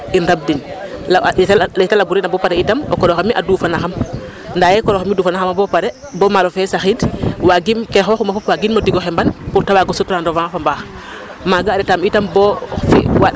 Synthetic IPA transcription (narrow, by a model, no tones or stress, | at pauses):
inɾab̚din | lɛtalabuɾɛnabɔpaɾɛitamɔ̰kɔɾɔxamiʔa̰duːfanaxam | ndajɛkɔɾɔxamiduːfanaxamabɔpaɾɛ | bɔmaɾɔfɛsaxidwaɡimkɛxɔxumafɔpwaɡinmodiɡɔxɛmbanpuɾtawaɡɔsɔtuɾandɔvãfambax | maɡaːɾɛtamitambɔfɛ̰wa